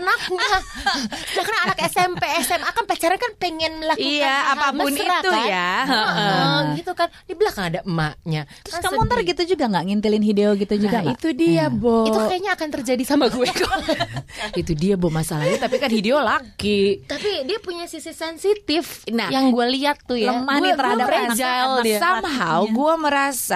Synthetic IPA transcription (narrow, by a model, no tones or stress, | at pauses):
anaka | dakarnaːnakɛsɛmpeɛsɛmakanplat͡ʃaɾankanpɛŋɛnlakiiaaapampəʊniɾat̪ujaəəəɡit̪ukandibəlahkanadaʔmaʔɲaɾʊasamɔnt̪ərɡit̪ud͡ʒuɡaŋɡaʔŋint̪ilɪnhideoɡit̪ud͡ʒuɡait̪udiabɔiukajaɲaːkant̪ərd͡ʒadisamaɡuak̪u | it̪udiabɔhmasalalut̪apikanhideolaɡit̪apidiapuɲasisisɛnsit̪ɪfnajaŋɡualiat̪ːujləamant̪əɾadaad͡ʒasamɦawɡuaməɾasa